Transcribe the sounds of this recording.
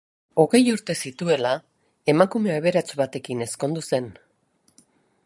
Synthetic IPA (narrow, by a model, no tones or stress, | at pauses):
o̞ɣe̞juɾt̪e̞sit̪ue̞la | e̞makume̞aeβe̞ɾat͡sβat̪e̞kine̞sko̞nd̪use̞n